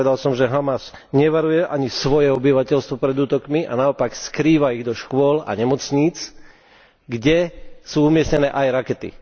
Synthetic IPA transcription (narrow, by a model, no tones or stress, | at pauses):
ɛd̪alsɔmʒɛɦamasɲɛʋaɾujɛʔaɲisʋɔjɛɔbiʋacɛʎst̪ʋɔpɾɛd̪uːt̪ɔkmiʔa̰naɔpakskɾiːʋaiɣd̪ɔʃkʊɔla̰ɲɛmɔt͡sɲiːt͡s | ɡɟɛsuːumɪɛsɲɛnɛːʔajɾakɛt̪ḭ